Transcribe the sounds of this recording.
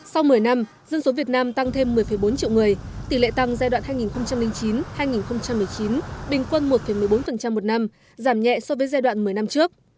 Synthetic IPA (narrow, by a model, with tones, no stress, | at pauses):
sa˧wmɨ˨˩əjna˧m | zə˧nso˨˦vi˨˩ət̚naː˧mt̪a˧ŋt̪ʰe˧mːɨ˨˩əjfə˨˩jɓo˨˦nt͡ɕḭ˧˨wŋɨ˨˩əjt̪i˨˧˩lḛ˧˨t̪a˧ŋzaː˧jɗwa̰ː˧˨nhaː˧jŋi˨˩nxə˧wŋ͡mt͡ɕa˧mlï˧ŋt͡ɕi˨˦nhaː˧jŋi˨˩nxə˧wŋ͡mt͡ɕa˧mːɨ˨˩əjt͡ɕi˨˦nɓï˨˩ŋ̟kwə˧nmo˨˩t̚fə˨˧˩m˨˩əjɓo˨˦nfə˨˩nt͡ɕa˧mːo˨˩t̚na˧m | zaː˧˩mɲɛ̰˧˨sɔ˧vəː˨˦jzaː˧jɗwa̰ː˧˨nmɨ˨˩əjna˧mt͡ɕɨ˦˥ək̚